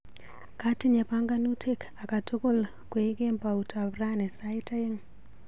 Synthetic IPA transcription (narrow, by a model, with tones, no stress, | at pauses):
ka˦ti˦ɲe˨paŋɡanu˦tʰe˦kʰa˨ka˨to˦ko˦l | kweɡe˦mpautabranɛ˨saita˦i˦ŋ